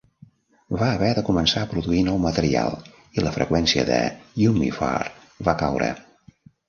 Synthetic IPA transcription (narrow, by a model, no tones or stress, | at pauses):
βaəβɛðəkumənsaəpɾuðuinɔwmət̪əɾia̰lˠ | iləfɾəkwɛnsiə̰ðəjumḭfa̰r | βakawɾə̰